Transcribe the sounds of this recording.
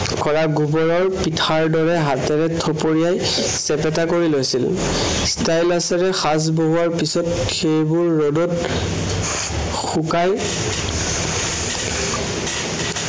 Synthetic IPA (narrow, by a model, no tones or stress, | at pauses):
kɔɹaɡubɔɹɔɹpitʰaɹdɔɹɛɦatɛɹɛtʰɔpoɹijaj | sɛpɛtakoɹilojsil | stajlasɛɹɛxas̬boɦuaɹpisɔt | xejbuɹːodɔt | xukaj